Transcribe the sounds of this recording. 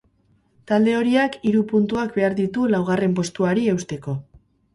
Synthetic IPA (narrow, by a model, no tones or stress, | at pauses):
t̪ald̪e̞o̞ɾiakiɾupunt̪uak̚be̞aɾðit̪ulawɣ̞are̞mp̬o̞st̪uaɾie̞wst̪e̞ko̞